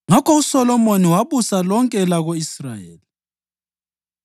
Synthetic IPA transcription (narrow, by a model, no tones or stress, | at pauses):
ŋakʰɔusɔlɔmoniwaβusalɔŋkʼɛlaɣoisra̰jḛːli